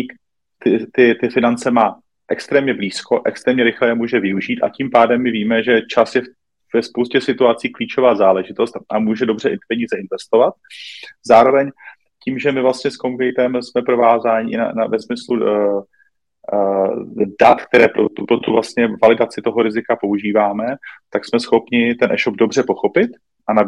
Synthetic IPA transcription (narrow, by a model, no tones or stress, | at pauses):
k | t̪ɪt̪ɪt̪ɪfɪnant͡sɛmaː | ʔɛkst̪ɾɛːmɲɛbliːsko̞ʔɛkst̪ɾɛːmɲɛɾɪxlɛjɛmuːʒɛvɪuʒiːt̪a̰ciːmpaːdɛmːɪviːmɛʒɛt͡ʃasjɛf | vɛspowscɛsɪt̪uat͡siːkliːt͡ʃo̞vaːzaːlɛʒɪt̪o̞st̪ʔamuːʒɛdo̞br̝ɛʔpɛɲiːzɛɪnvɛst̪o̞vat̪̚zaːɾo̞vɛɲ | ciːmʒɛmɪvlast̪ɲɛskoŋkɛjt̪ɛmsmɛpɾo̞vaːzaːɲɪʔɪna̰na̰vɛsmɪslu | dat̪k̚t̪ɛɾɛːpopɾot̪uvlast̪ɲɛvalɪdat͡sɪt̪o̞ɦo̞ɾɪzɪkapo̞uʒiːvaːmɛt̪aksmɛsxo̞pɲɪt̪ɛnʔɛ̰ʃo̞bdo̞br̝ɛpo̞xo̞pɪt̪ | ʔana